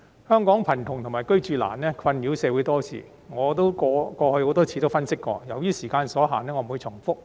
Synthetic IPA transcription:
hœː˥ŋkɔː˨˥ŋpʰɐ˨˩nt̪ʰʊ˨˩ŋt̪ʰmaː˨˩jkɵ˥ɥt͡ʃyː˧la̰ː˨˩nlɛː˥kʰɐ˧nmiː˨˥wsɛː˨˧wu˨˥jt̪ɔː˥t͡sʰḭː˨˧ | ŋɔː˨˧t̪o˥wkɔː˧kɔː˧hɵ˧ɥho˨˥wt̪ɔː˥t͡sʰiː˧t̪o˥wfɐ˥nsɪ˥kːɔ̰ː˧jɐ˨˩wjiː˥siː˨˩kaː˧nsɔː˨˥ɦaː˨˩nɛː˥ŋɔː˨˧m˨u˨˧jt͡sʰʊ˨˩ŋfʊ˥k̚

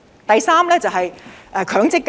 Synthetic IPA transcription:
t̪ɐ˨jsaː˥mlɛː˥t͡sɐ˨wɦɐ˨jʔɛː˨˧kʰœː˨˥ŋt͡sɪ˥kː

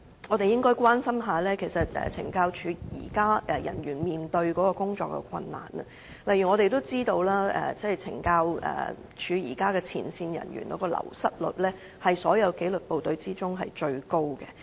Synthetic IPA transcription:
ŋɔ˨˧t̪e˨jɪ˥ŋkɔː˥jkʷwaː˥nsɐ˥mɦaː˨˧lɛː˥kʰe˨˩jsɐ˨t̚ɛ̰˨t͡sʰɪ̰˨˩ŋkaː˧wt͡ʃʰyː˨˧jḭː˨˩kaː˥ɛ˨jɐ̰˨˩nɥyː˨˩nmiː˨nt̪ɵ˧ɥkɔː˨˥kɔː˧kʊ˥ŋt͡ʃɔː˧kːɛ̰˧kʰɐ˧nːa̰ː˨˩nɐ̰˨ | lɐ˨jy˨ŋɔː˨˧ɾe˨jt̪o˥wt͡siː˥t̪o˧wlaː˥ɛ̰˨t͡sɛː˥˩jt͡sʰɪ˨˩ŋkaː˧wɛ̰ː˨˩ | t͡ʃʰyː˨˧jiː˨˩kaː˥kɛː˧t͡sʰḭː˨˩nsiː˧njɐ̰˨˩nɥy̰˨˩nkɔː˨˥kɔː˧lɐ̰˨˩wsɐ˥t̚lɵ̰˨˩t̚lɛː˥ | hɐ˨jsɔː˨˥jɐ˨˧wke˨˥jlɵ˨t̚po˨wt̪ɵ˨˧ɥt͡siː˥t͡sʊ˥ŋɦɐ˨jt͡ʃɵ˧ɥko˥wkɛ̰˧

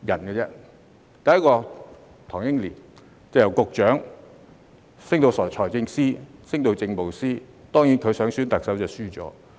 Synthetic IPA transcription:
jɐ˨˩nkɛ˧t͡sɛ˥ | t̪ɐ˨jɐ˥kɔː˧ | t̪ʰɔː˨˩ŋjɪ˥ŋliː˨˩n | t͡sɐ˨˧jɐ˨˩wkʊ˨k̚t͡ʃœː˨˥ŋ | sɪ˥ŋt̪o˧wsɔː˨˩jt͡ʃʰɔː˨˩jt͡sɪ˧ŋsiː˥sɪ˥ŋt̪o˧wt͡sɪ˧ŋpo˨wsiː˥ | t̪ɔː˥ŋjiː˨˥nkʰɵ˨˧ɥsœː˨˥ŋsyː˥nt̪ɐ˨k̚sɐ˨˥wt͡sɐ˨˩syː˥t͡sɔ̰ː˨˥

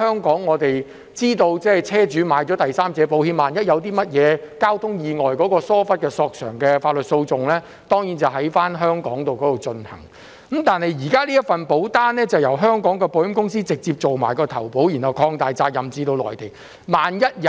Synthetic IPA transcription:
hœː˥ŋkɔː˨˥ŋːɔː˨˧t̪e˨j | t͡siː˥t̪o˧wt͡sɛː˥˩t͡sʰɛː˥t͡ʃyː˨˥maː˨˧jt͡ʃɔː˨˥t̪ɐ˨jsaː˥mt͡sɛː˨˧po˨˥whiː˧maː˨˩njɐ˥t̚jɐ˨˧wt̪iː˥mɐ˥t̚jɛː˨˧kaː˥wt̪ʰʊ˥ŋjiː˨ŋɔː˨jkɔː˨˥kɔː˧sɔː˥fɐ˥t̚kɛː˧sɔː˧k̚sœ̰ː˨˩ŋkɛː˧faː˧t̚lɵ˨t̚so˧wt͡sʊ˨ŋlɛː˥ | t̪ɔː˥ŋjiː˨˥nt͡sɐ˨wɦɐ˨˥jfaː˥nɦœː˥ŋkɔː˨˥ŋt̪o˨wkɔ˨˥o˨˩wt͡ʃɵ˧nhɐ̰˨˩ŋ˨˦ | mt̪aː˨nhɐ˨jjiː˨˩kaː˥liː˥jɐ˥t̚fɐ˨npo˨˥wt̪aː˥nlɛː˥t͡sɐ˨wjɐ˨˩wɦœː˥ŋkɔː˨˥ŋkɛː˧po˨˧wjɪ˥mkʊ˥ŋsiː˥t͡sɪ˨k̚t͡siː˧p̚t͡so˨wma̰ː˨˩jkɔː˧t̪ʰɐ˨˩wpo˨˥wjiː˨˩nhɐ˨wkʰɔː˧ŋt̪aː˨jt͡saː˧k̚jɐ˨mt͡siː˨˧t̪o˧wlɔ̰ː˨jt̪e˨˩j | maː˨njɐ˥t̚j

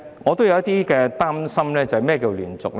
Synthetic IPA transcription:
ŋɔː˨˧t̪o˥wjɐ˧wjɐ˥t̪iː˥kɛː˧t̪aː˥msɐ˥mlɛː˥t͡sɐ˨whɐ˨jmɛː˥˩kiː˧wlyː˨˩nt͡sʊ˨k̚

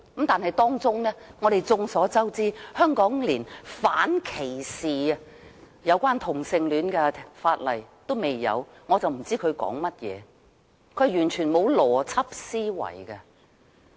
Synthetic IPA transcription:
kɐ˨˥mt̪aː˨nhɐ˨jt̪ɔː˥ŋt͡sʊ˥ŋlɛː˥ŋɔː˨˧ɾe˨jt͡sʊ˧ŋsɔː˨˥t͡sɐ˥wt͡siː˥hœː˥ŋkɔː˨˥ŋliː˨˩nfaː˨˥nkʰe˨˩jsiː˨ɐ˧ | jɐ˨˧wkʷaː˥nt̪ʰʊ˨˩ŋsɪ˨ŋlyː˨˥nkɛ˧faː˧t̚lɐ˨˩jt̪o˥wme˨jːɐ̰˨˧w | ŋɔː˨˧t͡sɐ˨wm̩˨˩t͡siː˥kʰɵ˨˧ɥkɔ̰ː˨˥ŋmɐ˥t̚jɛ̰ː˨˧ | kʰɵ˧˥˨jyː˨˩nt͡ʃʰyː˨˩nmo˨˧wlɔː˨˩t͡sʰɐ˥p̚siː˥wɐ̰˨˩jkɐ˧

